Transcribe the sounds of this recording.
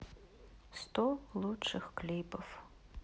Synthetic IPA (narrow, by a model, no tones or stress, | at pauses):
st̪ɔlˠut͡ʂːɨxklʲibɐf